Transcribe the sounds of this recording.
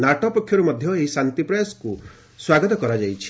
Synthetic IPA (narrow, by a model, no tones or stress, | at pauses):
naʈɔpɔkʰjɔɾumɔd̪ʱjɔeɦisant̪ipɾɔjasku | swaɡɔt̪ɔkɔɾad͡ʒajt͡ʃʰi̥